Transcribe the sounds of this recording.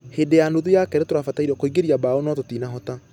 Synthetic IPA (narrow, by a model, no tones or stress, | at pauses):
hedejandoðujakɛɾɛtoɾafataiɾɔkoiɡeɾiabaonɔtotinaɦɔta